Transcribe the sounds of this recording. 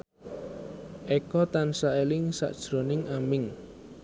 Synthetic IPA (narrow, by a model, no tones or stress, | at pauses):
ʔekɔt̪ansaelɪŋsa̰ʔd̥ʒ̥ɾonɪŋamɪŋ